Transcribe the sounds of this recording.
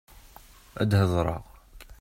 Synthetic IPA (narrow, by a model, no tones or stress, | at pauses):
æ̰d̪həðˤɾˤɑ̰